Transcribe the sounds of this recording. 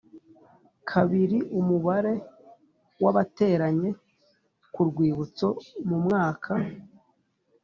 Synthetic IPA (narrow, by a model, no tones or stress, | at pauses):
kʰaβiɾiʔumuβaɾe̞ | waβate̞ːɾaɲe̞ | kuɾɡwiːβut͡so̞mumŋaːkʰa